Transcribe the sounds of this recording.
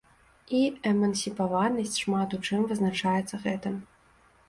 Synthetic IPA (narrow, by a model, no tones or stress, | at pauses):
iɛmɐnsʲipavanɐsʲt͡sʲʂmat̪ut͡ʂɨmvɨznat͡ʂajɛt̪sːɐɣɛt̪ɨm